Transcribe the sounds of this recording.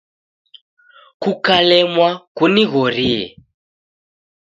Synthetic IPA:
kukalɛmwakuniɣɔɾiɛ̰

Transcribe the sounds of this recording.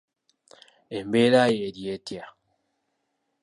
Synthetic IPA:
embeɾajedjetja

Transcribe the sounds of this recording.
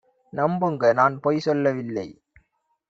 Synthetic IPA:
nɐmbɯŋɡɐnaːnpoːjsɔlːɐʋɪlːɐɪ

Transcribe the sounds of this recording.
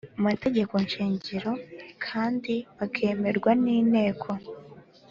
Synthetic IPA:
amate̞ɟe̞ko̞nʃiːɲɟiɾo̞kʰaːndiβakʰe̞ːme̞ɾɡwaniːne̞ːkʰo

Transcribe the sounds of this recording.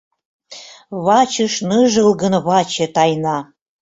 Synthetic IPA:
βɑt͡ɕɤ̆ʃnɤʒəlɡə̆nβɑt͡ɕĕt̪ɑjnɑ

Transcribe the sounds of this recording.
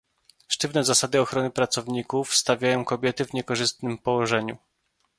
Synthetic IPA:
ʂtɘvnɛzasad̪ɘɔxɾɔnɘpɾat̪sɔvɲikufst̪avʲjajɔ̃w̃kɔbʲjɛt̪ɘvɲɛkɔʐɘst̪nɘmpɔwɔʐɛɲṵ

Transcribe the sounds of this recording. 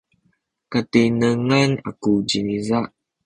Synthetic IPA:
katenəŋana̰kud͡ʒinizaʔ

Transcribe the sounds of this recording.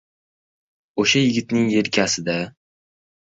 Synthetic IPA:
oʃajɪɡʲɪt̪nɪŋe̞ɾkʲʰasɪd̪a

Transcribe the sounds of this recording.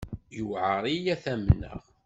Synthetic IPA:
jəwʕəɾˤijæθæmnːə̰ʁ

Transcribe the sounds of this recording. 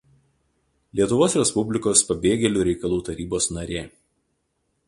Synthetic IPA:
lʲiɛt̪ʊʋoːsɾʲɛspʊbʲlʲɪkoːspɐbʲeːɡʲɛlʲuːɾʲɛɪkɐlˠuːt̪ɐɾʲiːboːsnɐɾʲeː

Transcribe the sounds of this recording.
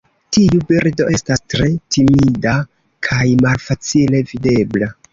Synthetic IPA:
tiubiɾdo̞ʔe̞stastɾe̞timida | kʰajmalfat͡sile̞vide̞bla

